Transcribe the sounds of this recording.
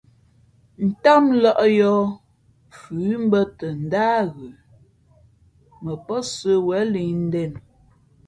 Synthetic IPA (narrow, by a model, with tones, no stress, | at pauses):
n̩˨ta˦mlɔ˦˨ʔjɔ˦ | fʉ˨˦m˦bə˦tə˨n̩˨da˦ɣʉ˨ | mə˨pə˦sə˦wɛ˨˦li˨n̩˦dɛ˨n